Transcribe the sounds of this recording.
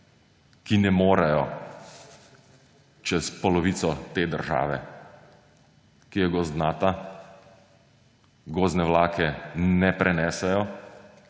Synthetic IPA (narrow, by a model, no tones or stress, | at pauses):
kinɛmoːɾajɔ | t͡ʃɛspɔlɔʋiːt̪sɔt̪eːd̪əɾʒa̰ːʋɛ̰ | kijɛɡɔzd̪naːt̪a | ɡoːznɛʋlaːkɛnɛpɾʔɛnɛːsɛjɔ